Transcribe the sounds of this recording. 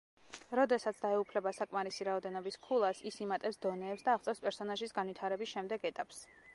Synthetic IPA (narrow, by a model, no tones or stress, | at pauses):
ɾɔd̪ɛsat̪sʰd̪aɛupʰlɛbasakʼmaɾisiɾaɔd̪ɛnɔbiskʰulˠasisimat̪ʼɛfsd̪ɔnɛːpsd̪aːχt̪sʼɛfspʼɛɾsɔnaʒisɡanvit̪ʰaɾɛbisʃɛmd̪ɛɡɛt̪ʼapʼs